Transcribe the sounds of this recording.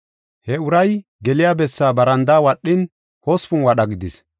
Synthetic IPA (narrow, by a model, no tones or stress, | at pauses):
hɛʊɾɐj | ɡɛlɪjaːbɛsːaːbɐɾɐnd̪aːwɐɗːɪn | hɔspʊnwɐɗɐɡɪd̪ɪs